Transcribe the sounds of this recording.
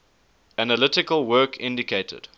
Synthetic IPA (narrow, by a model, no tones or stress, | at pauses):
ænəlɪtɪkəlˠwɜːˑkʰɪ̰̃ndɪkʰeɪtʰə̰d̥